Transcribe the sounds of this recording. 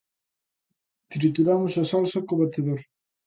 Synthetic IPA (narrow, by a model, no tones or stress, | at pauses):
t̪ɾit̪uɾamʊsɐsalsɐkoβat̪eðoɾ